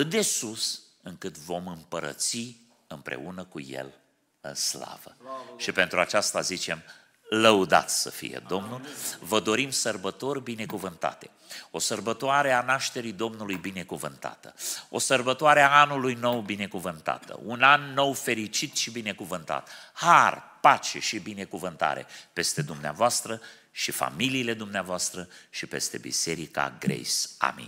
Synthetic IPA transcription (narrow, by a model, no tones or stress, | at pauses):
at̪ɨt̪̚d̪e̞susɨŋkɨt̪vo̞mɨmpəɾə̰t̪si | ɨmpɾe̞̰unəkṵje̞̰l | ɨ̰nsla̰və̰ʃipe̞nt̪ɾuat͡ʃast̪azit͡ʃe̞m | ləud̪a̰t̪sʲsə̰fḭjḛd̪o̞mnulvəd̪o̞ɾimsərbət̪o̞rʲbine̞kuvɨnt̪a̰t̪e̞̥ | o̞sərbət̪oaɾe̞anaʃt̪e̞ɾid̪o̞mnulujbine̞kuvɨnt̪a̰t̪əo̞̰sərbət̪oaɾeaanulujno̞wbine̞kuvɨnt̪a̰t̪ə̰unanːo̞wfe̞ɾit͡ʃit̪ʃibine̞kuvɨnt̪a̰t̪harpat͡ʃe̞ʃibine̞kuvɨnt̪a̰ɾe̞̰pe̞st̪e̞d̪umneavoast̪ɾə | ʃifa̰miliːle̞d̪umneavoast̪ɾəʃipe̞st̪e̞̰bḭse̞ɾika̰ɡɾḛjsa̰mḭn